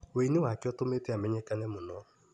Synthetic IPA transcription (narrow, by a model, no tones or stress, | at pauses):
weinewakɛɔtometɛamɛɲɛkanɛmonɔ